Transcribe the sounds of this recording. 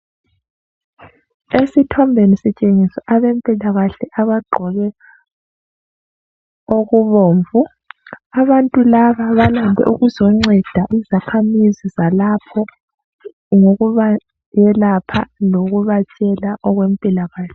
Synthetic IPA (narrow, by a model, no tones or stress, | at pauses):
esitʰɔmbʱenisit͡ʃʼeŋisɔʔaβempʼilaɣaɬɛʔaβaɡ͡ǃʱɔɣɛ | oɣuβoːɱvu | aβantʼulaβaβalambʱɛ̰ʔuɣuzɔŋ͡ǀɛd̥ʱaʔizakʰamizizalapʰɔ | ŋoɣuβa | jɛlapʰa̰loɣuβat͡ʃʼɛlaʔɔɣwempʼilaɣaːɬɛ